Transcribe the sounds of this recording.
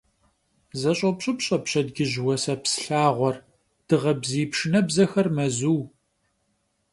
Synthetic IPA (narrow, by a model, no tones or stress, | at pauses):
zɐɕʼɐpɕʼɨpɕʼɐpɕɐdɡʲɪʑwɐsɐpsɬaːʁʷɔr | d̥ɨʁɐbziːpʂɨnɐbzɐxɐrmɐzuw